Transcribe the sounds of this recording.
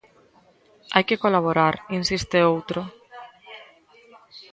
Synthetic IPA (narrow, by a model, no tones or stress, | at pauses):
ajkekolaβ̞oɾaɾinsist̪eowt̪ɾo